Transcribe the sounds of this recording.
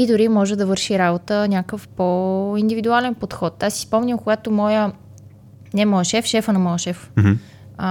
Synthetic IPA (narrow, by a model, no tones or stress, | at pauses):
id̪ʊɾimɔʒɛd̪ɐvɤɾʃiɾabot̪ənʲakəfpoind̪ivid̪ualɛnpot̪xɔt̪asːi̥spɔmnʲəmkoɡat̪omɔjə | nɛmɔjəʃɛfʃɛfənɐmɔjəʃɛf